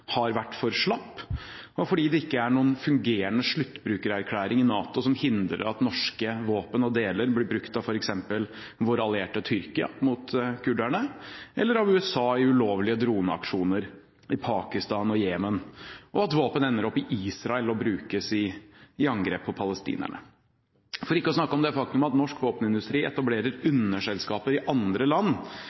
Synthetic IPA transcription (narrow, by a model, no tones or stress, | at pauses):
hɑɾʋæʈːfɔɾʂɭɑpːɔfɔɖiːd̪ɛɪkːəæɳuːənfʉŋɡeːɾənəʂɭʉt̪ːbɾʉːkəɾæɾkʰlæːɾɪŋɪnɑːt̪ɔsɔmhɪnd̪ɾə̰ɾɑt̪nɔʂkəʋoːpənɔd̪eːləɾblɪbɾʉkt̪ɑʋfɔɾɛksɛmpəl | ʋʊɾɑlɪeːʈət̪ʰʏɾkɪɑ̰mʊt̪kʰʉɖæɳəʔɛlːəɾɑʋʉːɛsɑːɪʉloːʋlɪəd̪ɾuːnəɑ̰kʂuːnəɾ | ɪpʰɑːkɪst̪ɑːnɔjeːmənʔɔɑt̪ʋoːpənɛnːəɾɔpːɪʔiːsɾɑɛlɔbɾʉːkəsɪɪɑŋɡɾeːpʰːɔpʰɑləst̪ḭːnæ̰ɳə̰ | fɔɾɪkːəɔsnɑkːəɔmd̪ɛfɑk̚t̪mɑt̪nɔʂkʋoːpnɪnd̪ʉst̪ɾiːɛt̪ɑbleːɾəɾʉnːəʂɛlskɑːpəɾɪʔɑnd̪ɾəlɑnː